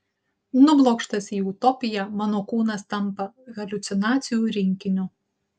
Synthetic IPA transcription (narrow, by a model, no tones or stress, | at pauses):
nʊblˠoːkʃt̪ɐsiːʊt̪ɔpʲɪjɛmɑːnoːkuːnɐst̪ɐmpɐɣɐlʲʊt̪sʲɪnɑːt̪sʲɪjuːɾʲɪŋʲkʲɪnʲʊ